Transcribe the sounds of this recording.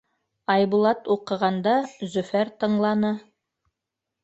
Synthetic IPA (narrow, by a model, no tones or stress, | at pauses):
ɑjβulˠɑt̪uqɤ̆ʁɑnd̪ɑzɵ̆fæɾt̪ɤ̆ɴlˠɑnɤ